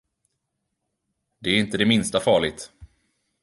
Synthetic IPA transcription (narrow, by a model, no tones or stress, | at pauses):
d̪ɛæɾɪnt̪əd̪ɛmɪnst̪afɑːɭɪt̪